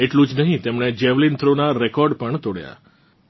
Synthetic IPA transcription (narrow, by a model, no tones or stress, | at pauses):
eʈlũd͡ʒnəɦĩt̪emɳed͡ʒeʋlint̪ʰɾonaɾekɔɾɖpəɳt̪oɽja̰